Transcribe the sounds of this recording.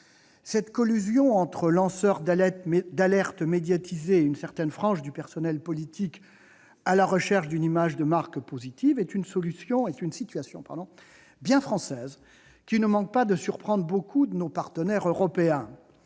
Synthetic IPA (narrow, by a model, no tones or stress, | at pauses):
sɛt̪kɔlyzjɔ̃ɑ̃t̪χəlɑ̃sœʁd̪d̪alɛʁt̪med̪jat̪ʰizeynsɛʁt̪ɛnfχɑ̃ʃd̪ypɛʁsɔnɛlpɔlit̪ʰik | alaʁəʃɛʁʃd̪ynimaʒd̪əmaʁkpozit̪ivɛt̪ynsɔlysjɔ̃ɛt̪ynsit̪ɥasjɔ̰̃pa̰ʁd̪ɔ̃ | bjɛ̃fχɑ̃sɛz | kʲinəmɑ̃k̚pad̪əsyʁpχɑ̃d̪ʁbokʰud̪ənopaʁt̪ənɛʁøʁɔpeɛ̃